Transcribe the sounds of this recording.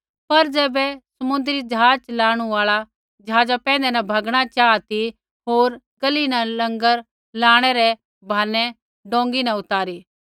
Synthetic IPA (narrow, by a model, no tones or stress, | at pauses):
pɐɾd͡ʒɛːbɛsɐmʊ̃nd̪ɾid͡ʒɐɦaːt͡ʃlaːɽ̃uaːɭa | d͡ʒɐɦaːd͡ʒapɛ̃ːnd̪ɛnɐ̃bʱɐɡɽ̃at͡ʃaːt̪i | ɦoːɾ | ɡɐlinalɐ̃ŋɡəɾ | laːɽ̃ɛɾɛ | bʱaːnɛ | ɖõːŋɡinãʊt̪aːɾiː